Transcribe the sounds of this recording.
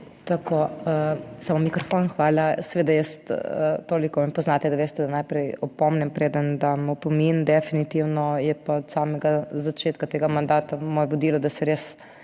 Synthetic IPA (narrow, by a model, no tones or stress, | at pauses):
t̪akoəsamomikɾɔfonxʋaːlasɛʋeːd̪ajəst̪ət̪oːlikɔʋmɛpɔznaːt̪ɛd̪aʋeːst̪ɛd̪ɐnajpɾɛjɔpɔmnɛmpɾeːd̪ənd̪amopomind̪ɛfinit̪iwnɔjɛpaɔt̪saːmɛɡazat͡ʃeːt̪kat̪eɡamand̪aːt̪amoːjɛʋɔd̪iːlɔd̪ɐsɛɾeːs